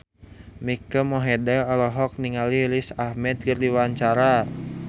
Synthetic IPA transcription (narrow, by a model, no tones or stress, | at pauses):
mikəmɔɦɛdɛɔlɔɦɔk̚niŋalilisahmɛt̪̚kərdiwaɲt͡ʃaɾa